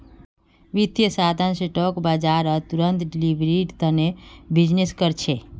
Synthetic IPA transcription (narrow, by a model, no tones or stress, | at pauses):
ʋit̪jəsad̪ʱanseʈɔkbad͡ʒaːɾət̪uɾənt̪ɖilibɾiʈt̪ənebid͡ʒneskəɾt͡ʃʰe